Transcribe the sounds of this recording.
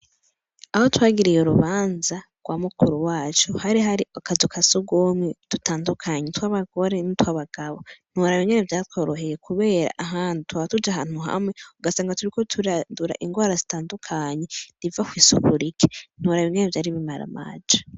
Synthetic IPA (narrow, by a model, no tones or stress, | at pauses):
aho̞twaːɡiɾijoɾuβaːnzaɡ̥waːmukuɾuwaːt͡ʃuhaɾiɦaɾiakazukʰasuɡomŋetutaːndukʰaɲetwaːβaɡo̞ɾe̞nitwaβaɡ̥aβo̞n̥uɾaβiŋɲenevjaːtwoːɾo̞ɦe̞je̞kuβe̞ːɾa̰ʔaɦaːnditwaatud͡ʒaɦaːn̥uɦa̰mŋe̞uɡasaːŋɡatuɾiko̞tʰuɾaduɾa̰ʔiŋɡwaːɾazitaːndukʰaɲe̞nivakwiːsukuɾikʰe̥n̥uɾaβjiɲenevjaːɾiβimaɾa̰ma̰ːd͡ʒḁ